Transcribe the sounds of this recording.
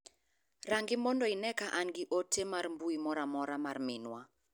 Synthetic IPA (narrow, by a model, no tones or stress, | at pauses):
raŋɡɪmɔndɔinɛkaʔanɡɪʔotʰemarmbuimɔɾamɔɾamarmɪnwa